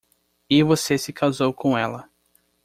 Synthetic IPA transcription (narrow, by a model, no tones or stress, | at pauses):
ɪvosesɪkʰazowkõw̃ɛlɐ